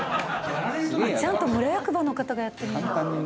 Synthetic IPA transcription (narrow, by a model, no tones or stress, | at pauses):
mt͡ɕãnt̪o̞mɯ̟ɾajakɯ̟bano̞kat̪aɡajat̪ːe̞ɾɯ